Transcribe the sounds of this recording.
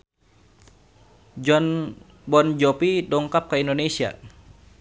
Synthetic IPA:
d͡ʒɔn | bɔnd͡ʒɔpidɔŋkap̚kaindonesia̰

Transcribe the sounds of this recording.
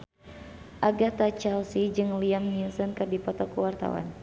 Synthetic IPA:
ʔaɡat̪at͡ʃɛlsid͡ʒɨŋliamninsɔnkɨrdipɔt̪ɔkuwart̪a̰wa̰n

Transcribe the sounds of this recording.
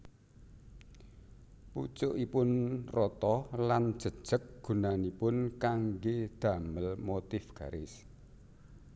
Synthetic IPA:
put͡ʃʊʔipʊnrɔt̪ɔlan̥ʒ̥ə̤d̥ʒ̥ə̤k̚ɡ̥ṳnanipʊnkaŋɡed̪̥a̤məlmot̪ɪfɡ̥a̤ɾɪs

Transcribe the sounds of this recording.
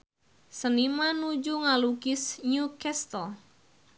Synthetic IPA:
sənimanud͡ʒuŋaluɡɪsɲukɛst̪əl

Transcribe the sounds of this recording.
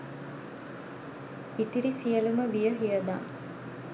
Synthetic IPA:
it̪iɾisijəluməʋijəɦijəd̪a̰ː

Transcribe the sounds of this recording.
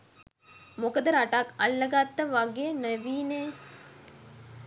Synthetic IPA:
mokəd̪əɾaʈaka̰lːəɡat̪ːəʋaɡeənəʋiːne

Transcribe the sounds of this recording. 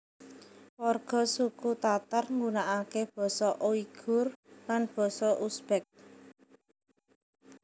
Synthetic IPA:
wɔrɡ̥ɔ̤sukut̪at̪arŋɡunaʔakeb̥ɔ̤sɔʔoiɡ̥ʊ̤rlanb̥ɔ̤sɔʔusb̥ɛk̚

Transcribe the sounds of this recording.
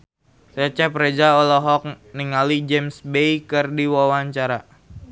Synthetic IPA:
set͡ʃapɾed͡ʒaɔlɔɦɔk̚ | niŋalid͡ʒɛmsbejkɨrdiwawaɲt͡ʃaɾa

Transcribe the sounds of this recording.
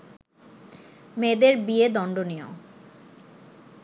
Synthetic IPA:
med̪eɾbied̪ɔɳɖonijo̰

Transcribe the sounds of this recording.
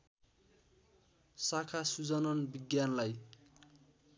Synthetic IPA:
sakʰasud͡zʌnʌnbiɡjanlaj

